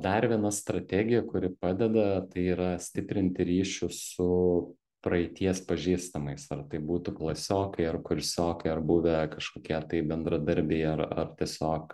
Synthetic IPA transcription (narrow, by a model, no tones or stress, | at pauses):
d̪ɐrʋʲiɛnɐst̪ɾɐt̪ʲæːɡʲɪjɛkʊɾʲɪpɑːd̪ʲɛd̪ɐt̪ɐɪiːɾɐsʲt̪ʲɪpʲɾʲɪnʲt̪ʲɪɾʲiːʃʲʊsʊ | pɾɐɛɪt̪ʲiɛspɐʒʲiːst̪ɐmɐɪsɐrt̪ɐɪbuːt̪ʊklˠɐsʲoːkɐɪɐrkʊɾʲsʲoːkɐɪɐrbuːʋʲɛkɐʃkoːkʲiɛt̪ɐɪbʲɛnd̪ɾɐd̪ɐɾʲbʲɛɪɐrɐ̰rt̪ʲiɛsʲoːk